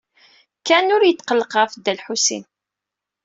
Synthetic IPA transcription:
kænʊɾjət̪ːqəlːəqəfd̪ːælħusḭn

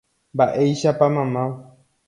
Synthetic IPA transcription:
mbaʔe̞jʃapamãmã

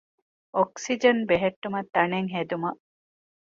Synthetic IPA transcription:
ʔoksid͡ʒɐnbeɦeʈːumɐt̪ːɐneŋɦed̪umɐ

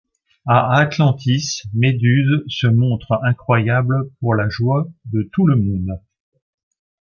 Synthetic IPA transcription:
aaːt̪lɑ̃t̪ʰismed̪yzsəmɔ̃t̪χɛ̃kχwajabləpuʁlaʒwad̪ət̪uləmɔ̃d̪

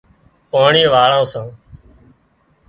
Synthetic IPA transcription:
paːɳĩːʋaːɭãːsãː

